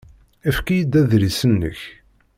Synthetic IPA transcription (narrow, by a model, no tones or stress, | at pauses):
æfkijəd̪ːæðɾisənːə̰ç